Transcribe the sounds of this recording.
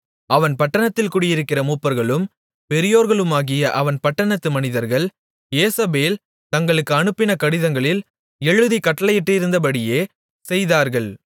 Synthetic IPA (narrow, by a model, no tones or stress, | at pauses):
ɐʋɐnpɐʈːɐɳɐt̪ːɪlkuːɽɪjɪɾɯkːɪrɐmuːpːɐɾɣɐɭɯm | pɛɾɪjoːɾɣɐɭɯmaːɣɪjɐʔɐʋɐnpɐʈːɐɳɐt̪ːɯmɐnɪðɐɾɣɐɭ | jeːsɐbeːl | t̪ɐŋɡɐɭɯkːɯɐɳɯpːɪnɐkɐɽɪðɐŋɡɐɭɪl | ɛɻɯðikɐʈːɐɭɐjɪʈrɯɪɾɯnd̪ɐp̬ɐɽɪjeː | sɛjðaːɾɣɐɭ